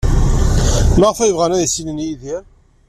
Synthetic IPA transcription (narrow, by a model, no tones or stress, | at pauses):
maʁəfæjəvʁænæðisilənjiðiɾ